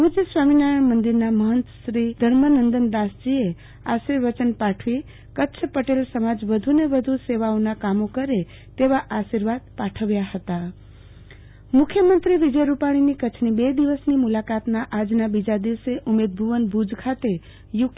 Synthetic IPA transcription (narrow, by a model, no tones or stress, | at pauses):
ud͡ʒesʋaminajəɳmənd̪iɾnaməɦənt̪əʃɾid̪ʱəɾmənənd̪ənd̪asd͡ʒie | aʃiɾʋət͡ʃənpaʈʰʋi | kətːʃʰpəʈelsəmad͡ʒʋəd̪ʱuneʋəd̪ʱuseʋaõnakamokəɾe | t̪eʋaʔaʃiɾʋad̪̚paʈʰəʋjahət̪a | mʊkʰjəmənt̪ɾiʋid͡ʒəjɾupaɽ̃inikət͡ʃʰnibed̪iʋəsnimulakat̪naʔad͡ʒnabid͡ʒad̪iʋseʔumed̪̚bʱuʋənbʱud͡ʒkʰat̪e | juk